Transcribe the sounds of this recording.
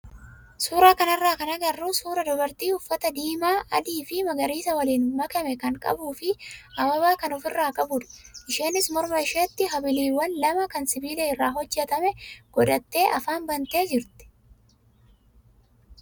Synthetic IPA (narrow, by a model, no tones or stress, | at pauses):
suːɾaːkɐnɐrːaːkɐnɐɡɐrːuːsuːɾɐd̪ɔbɐɾt̪iːʊfːɐt̪ɐd̪iːmaːʔɐ̰d̪iːfɪmɐɡɐɾiːsɐwɐliːnmɐkɐmɛkɐŋkʼɐ̰buːfɪɐmɐbaːkɐnɔfɪrːaːkʼɐbʊᶑɐ̥ʔɪʃeːnːɪsmɔɾmɐɪʃeːt̪ːɪɦɐbɪliːwːɐnlɐmɐkɐnsɪbiːlɛɪrːaːɦɔd͡ʒːɛt̪ɐmɛɡ̥ɔᶑ̪ɐt̪ːe̞ːʔɐfaːnbɐnt̪e̞ːd͡ʒɪɾt̪ɪ̥